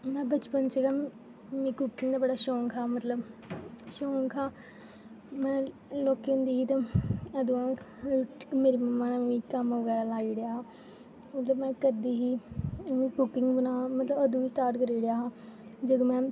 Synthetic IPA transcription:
mɛ̃ːbət͡ʃpənt͡ʃəɡaː | mĩːkʊkɪŋɡd̪aːbəɽaːʃɔ̃ːŋkʰaːmət̪ləbʃɔːŋkʰaː | mɛ̃ː | loːkend̪iːɦiːt̪aəd̪ũːãː | meːɾiːməmːãːnaːĩːkəmʋəɡɛːɾaːlaːiːɽɪjaːaː | ot̪amɛ̃ːkəɾd̪iːɦiːmĩːkʊkːɪŋɡbənaːmət̪ləbəd̪õːiːsʈaːɾʈkəɾiːɽɪjaːɦaːd͡ʒəd̪õːmɛ̃ː

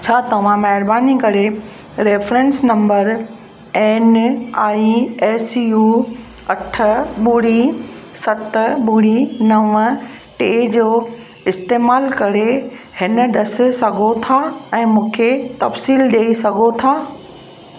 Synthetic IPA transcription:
t͡ɕʰaːt̪ɐʋ̤ãmɛɦɪɾbaːnikɐɾe | ɾeːfɾẽnsnɐ̃mbəɾ | ɛːnaːiɛːsijuː | ɐʈʰə̆ɓuɽisɐt̪ɓuːɽinɐʋə | ʈeːd͡ʑoː | ɪst̪eːmaːlkɐɾe | hɪnə̆ɗɐs̆sɐɡʱot̪ʰaɛ̃ːmũːkʰet̪ɐfsiːlɗeːisɐɡʱot̪ʰaː

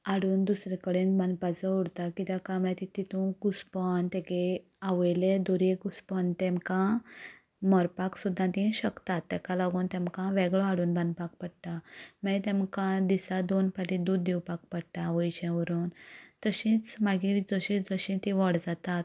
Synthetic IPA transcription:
aɽuːnd̪usɾɛkəɽẽnbãnd̪pat͡sɔuɽt̪akit̪akãmɛ̃t̪it̪it̪ũɡuspɔnt̪ɛke | aʋjled̪oɾeɡuspɔnt̪ɛ̃mkã | mɔɾpaksud̪ʱːãt̪ĩɕəkt̪at̪ːɛkalaɡuːnt̪ɛ̃mkãʋɛɡɭɔaɽuːnbãnd̪pak̚pəɽʈ̪amɛ̃t̪ɛ̃mkãd̪isad̪onpaʈĩd̪ud̪ːiwpak̚pəɽʈ̪aʋəjɕɛ̃ʋəɾuːnt̪əɕĩt͡smaɡid͡zəɕĩd͡zəɕĩt̪iʋɔɽd͡zat̪at̪

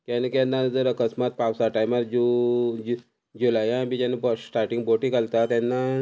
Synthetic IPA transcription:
kanekanːad͡zəɾəkəsmat̪̚pawsaʈajmaɾd͡ʑu | d͡ʑulajãbid͡ʑanːebsʈaɾʈĩŋɡ̚boʈikalt̪at̪janːa

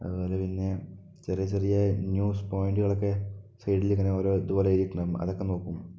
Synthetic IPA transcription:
ɐð̰uβo̞ːlepinːe | t͡ɕerijɐt͡ɕerijɐnjuːspo̞ːjɳɖuɣɐɭokːe̞sɐjʈiliŋːɐneoːɾoːiðuboːleiɾikʲːuɳɐmɐ̰ðokːe̞no̞ːkːum

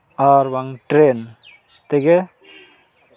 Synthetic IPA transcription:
aːɾʋɐŋʈɾeːn | t̪eɡe

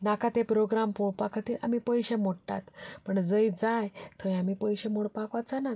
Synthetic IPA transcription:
nakat̪epɾoɡɾampoɽpakʰat̪iːla̰m̤ipəjɕemoɽʈa̰t̪pəɳd͡zəjd͡zajt̪ʰəj̃amipəjɕemoɽpakʋat͡sana

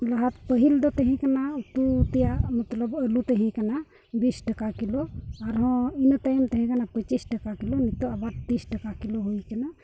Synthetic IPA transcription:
ləɦat̪pəɦild̪ɔt̪əɦĩkanaut̪ut̪ijamət̪ləbəlut̪əɦĩkana | bisʈəkakilɔaɾɦɔ̃int̪ajmt̪əɦĩkanapət͡ʃisʈəkakilɔnit̪ɔabaʈt̪isʈəkakilɔɦoikəna

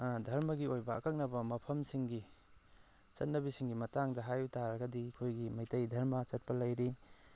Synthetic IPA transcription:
adʱɐɾmɐɡiojbɐɐ̰kak̚nɐbɐmɐpʰɐmsiŋɡi | t͡ʃɐt̚nɐβisiŋɡimɐtaŋdɐɦajutaɾɐɡɐdikʰojɡimɐjtɐjdʱɐɾmɐt͡ʃɐt̚pɐlɐjɾi

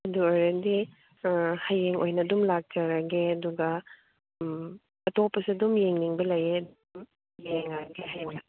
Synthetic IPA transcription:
ɐduojɾɐdi | hɐjːeŋʔo̰jnɐdumlak̚d͡ʒɐɾɐɡeɐduɡɐ | ɐtopːɐsiɐdumjeŋniŋbɐlɐjeɐdum | jeŋɐɾɐɡeɦajona

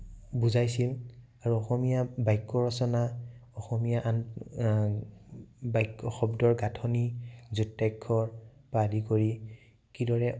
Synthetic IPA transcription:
buzajsil | aɹuɔxɔmijabajkːɔɹɔsɔnaɔxɔmijaʔan | bajkːɔxɔbdɔɹɡatʰɔnizutːajkʰːɔɹ | padikoɹi | kidɔɹɛ

